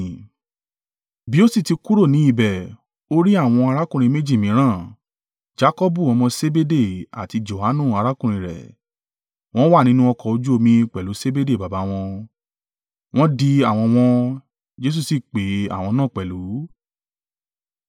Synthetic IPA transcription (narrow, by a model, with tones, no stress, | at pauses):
bi˨˦o˦si˦˨ti˧ku˦ɾo˦˨nĩ˨˦i˦˨bɛ˨ | o˦ɾi˦a˦˨w̃ɔ̃˧a˧ɾa˦kũ˦˨ɾĩ˧˦mẽ˦d͡ʒi˦˨mĩ˨˦ɾ̃ãː˦˨ | d͡ʒa˦kɔ˦bu˦˨wɔ̃˨˧mɔ̃˧se˦be˦de˦˨a̰˨ti˧d͡ʒo˨ha˨˦nũ˦˨a˧ɾa˦kũ˦˨ɾ̃ĩ˨˧ɾɛ̰˨ | w̃ɔ̃˦wa˦˨nĩ˦nũ˦ɔ˧kɔ˧˨o˧d͡ʒu˦o˧mĩ˧k͡pɛ˨lu˨˦se˦be˦de˦˨ba˨ba˨˦w̃ɔ̃˧ | w̃ɔ̃˦di˧a˦˨w̃ɔ̃˧w̃ɔ̃˧ | d͡ʒe˦s̬u˦˨si˦˨k͡pe˨˦a̰˨w̃ɔ̃˧nãː˦˨k͡pɛ˨lu˨˦